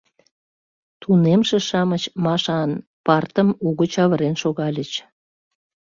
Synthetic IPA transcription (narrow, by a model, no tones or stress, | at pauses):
t̪unemʃĕʃɑmət͡ɕmɑʃɑnpɑrt̪əmuɣət͡ɕɑβəɾenʃoɣɑlʲət͡ɕ